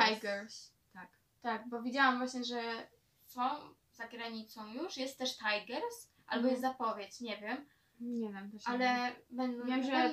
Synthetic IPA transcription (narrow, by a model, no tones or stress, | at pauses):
t̪ajɡɛɾs | t̪ak | t̪aɡ̚bɔvʲed͡ʑawamvwaɕɲɛʐɛ | sɔ̃w̃ | z̥aɡɾaɲit̪sɔ̃w̃juʂjɛst̪t̪ːɛʂt̪ajɡɛɾs | ʔa̰lbɔjɛst̪zapɔvʲjet͡ɕɲɛvʲjɛm | ɲɛvʲɛmalɛbɛnd̪ɔ̃